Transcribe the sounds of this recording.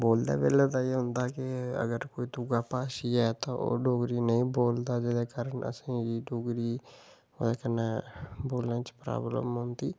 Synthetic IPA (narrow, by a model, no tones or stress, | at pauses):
boːld̪a̰ːbḛːlət̪aːeɦʊ̃nd̪aːkɪə̰ɡəɾkoːiːt̪uɡaːpaːʃiːɛːt̪ãʔo̰ːɖoːɡɾiːnəĩːboːld̪aːd͡ʒɪd̪eːkaːɾəɳʔə̰sĩːiːɖoːɡɾiː | oːd̪aːkənːaːboːlnãːt͡ʃpɾa̰ːblə̰mɦʊnd̪iː